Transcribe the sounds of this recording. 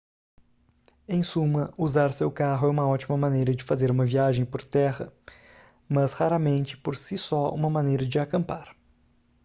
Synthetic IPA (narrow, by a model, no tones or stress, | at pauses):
ẽj̃sũmɐuzaɾsewkaɦʊɛũmɐɔt͡ʃimɐmɐ̃nejɾɐd͡ʒɪfazeɾũmɐviaʒẽj̃poɾt̪ɛʁɐ̰ | mɐshaɾɐmẽnt͡ʃɪ̥poɾsisɔṵ̃mɐmɐ̃nejɾɐd͡ʒɪakɐ̃mpaɾ